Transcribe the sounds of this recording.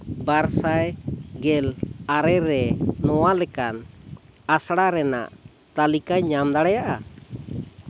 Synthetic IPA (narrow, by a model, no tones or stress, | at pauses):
baɾsajɡɛlaɾɛɾɛnɔwalɛkan | asɽaɾɛna̰ʔ | t̪alikaɲamd̪aɽajaʔa